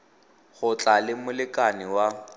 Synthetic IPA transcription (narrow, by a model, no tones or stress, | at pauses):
χʊt͡ɬʼalɪmʊlɪkʼanɪwa